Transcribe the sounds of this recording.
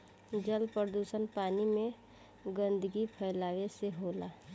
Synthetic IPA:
d͡ʒəlpəɾəd̪uːsənpaːnimẽ | ɡə̃nd̪əɡipʰəɪlaːʋeseɦoːlaː

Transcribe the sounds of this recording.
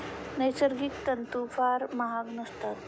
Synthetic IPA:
nɐjsəɾɡikt̪ɐnt̪uːfaːɾmɐɦaɡnɐst̪at̪

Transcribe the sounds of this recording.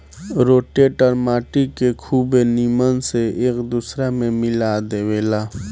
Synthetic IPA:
ɾoːʈeʈəɾmaːʈikekʰuːbeniːmənseeːkd̪uːsɾamẽmɪlad̪eweːlaː

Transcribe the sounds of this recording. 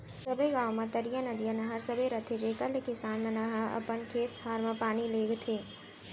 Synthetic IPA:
sɐbeɡaːwmɐ̃t̪ɐɾijanɐd̪ijanɐɦəɾsəbeɾɐt̪ʰed͡ʒeːkəɾlekɪsaːnmenɐɦaɐ̰pənkʰeːt̪̚d̪ʱaːɾməpaːnileːɡt̪ʰeː

